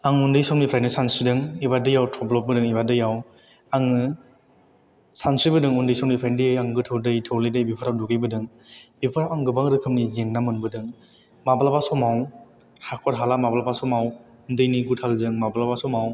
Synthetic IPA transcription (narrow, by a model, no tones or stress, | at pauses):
aŋundɯjsɔŋnipʰɾajnɯsansidɯŋibadɯjawtʰɔblɔp̚bɯdɯŋibadɯjaw | aŋɯ | sansɾibɯdɯŋundɯjsɔŋnipʰajndijɯjaŋɡɯtʰɯwdɯjtʰɯwlidɯjbipʰɯɾawduɡɯjbɯdɯŋ | bipʰɯɾawaŋɡɯbaŋdɯkʰɯmnizeŋnamɯnbɯdɯŋ | mabalabasɔmaw | hakʰɔɾɦalamabalabasɔmaw | undɯjniɡutʰalzɯŋmabalabasɔmaw